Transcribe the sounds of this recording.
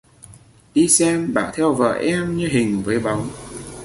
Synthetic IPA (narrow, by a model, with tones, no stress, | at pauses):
ɗi˧sɛ˧mɓa̰ː˧˩t̪ʰɛ˧wvə̰ː˧˨˩ʔɛ˧mɲɨ˧ɦï˨˩ŋ̟vəː˨˦jɓa˨˦wŋ͡m